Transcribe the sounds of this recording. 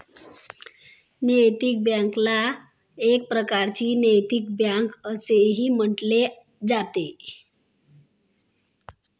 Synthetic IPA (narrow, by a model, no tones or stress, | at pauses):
nəjt̪ik̚bjaŋkla | ek̚pɾəkaɾt͡ɕiːnəjt̪ik̚bjaŋkəseɦiːm̤əʈle | d͡zat̪e